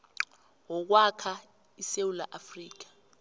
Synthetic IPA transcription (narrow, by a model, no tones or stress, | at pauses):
wɔk̬wakʰa | isewula̰ʔafriːk̬ḁ